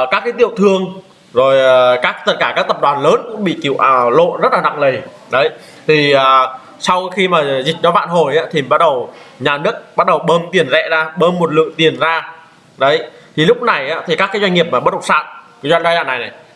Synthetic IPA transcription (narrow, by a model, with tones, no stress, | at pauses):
kaː˦˥kːaː˨˦jt̪i˧˨əwt̪ʰɨ˧əŋ | zo˨˩jkaː˦˥k̚t̪ə˦˥t̚kaː˧˩kaː˦˥k̚t̪ə˨˩p̚ɗwaː˨˩nləː˨˦nkʊ̰˧˥ŋ͡mɓḭ˧˨ki˧˩ə˨wʔlo̰˧˨nzə˦˥t̚laː˨˩na̰˧˨ŋlə˨˩j | ɗə˨˦j | t̪ʰi˨˩əː˨˩ | sa˧wxi˧maː˨˩zï˨˩k̟̚nɔ˨˦va̰ː˧˨nɦo˨˩jʔaː˨˦t̪ʰi˨˩ɓa˦˥t̚ɗə˨˩w | ɲaː˨˩nɨ˦˥ək̚ɓa˦˥t̚ɗə˨˩wɓəː˧mt̪i˨˩ənzɛ̰˧˨zaː˧ɓəː˧mːo˨˩t̚lɨ̰˧˨əŋt̪i˨˩ənzaː˧ | ɗə˨˦j | t̪ʰi˨˩lʊ˦˥k͡p̚na˨˩jʔa̰ː˨˦˥t̪ʰi˨˩kaː˦˥kaː˨˦jzwa˧jŋ̟ŋi˨˩əp̚maː˨˩ɓə˦˥t̚ɗ̚sa̰ː˧˨n̚ka˨˦zwa˧jŋɗza˧jza̰ː˧˨˩nːa˨˩jna˨˩j